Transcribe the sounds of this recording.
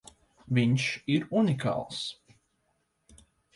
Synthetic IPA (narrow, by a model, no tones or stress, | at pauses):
viɲʃiɾunika̰ːlˠs